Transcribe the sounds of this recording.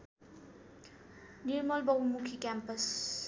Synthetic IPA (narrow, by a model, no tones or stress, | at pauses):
nirmʌlbʌwumukʰikampʌs